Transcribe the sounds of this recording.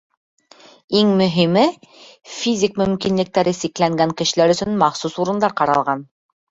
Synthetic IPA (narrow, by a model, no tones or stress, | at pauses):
iŋmɵ̆ɦimɘfʲizʲikmɵ̆mkinlɘ̆k̚t̪æɾɘsiklæŋɡæŋkɘ̆ʃɘ̆læɾɵ̆sɵnmɑχsusuɾɤ̆nd̪ɑɾqɑɾɑ̰lˠʁɑn